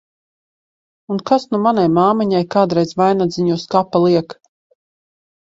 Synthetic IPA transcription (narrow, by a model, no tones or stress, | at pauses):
unkasnumanajmaːmiɲajkaːd̪ɾɛjzvajnad̪ziɲuɔskapːalˠiɛk